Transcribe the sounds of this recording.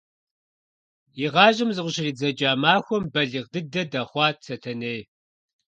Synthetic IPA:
jiʁɑːʒɪmzɨʁʷʊɕɪriːd͡zɐd͡ʒʼaːmaːxʷɔmbɐɮiːʁdɨdɐdɐχʷɑːt̚ʰsʰɐtʰɐneːj

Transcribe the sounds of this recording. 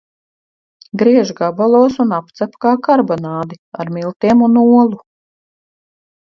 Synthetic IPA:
ɡɾiɛʒɡabalˠuɔsunapt̪sɛpkaːkaɾbɔnaːd̪ia̰ɾmilˠt̪iɛmunuɔlˠu

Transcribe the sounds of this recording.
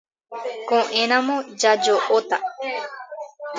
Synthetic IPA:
kõʔeñãmõd͡ʒad͡ʒoʔot̪a

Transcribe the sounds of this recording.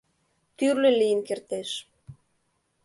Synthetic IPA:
t̪yrlølijənkert̪eʃ

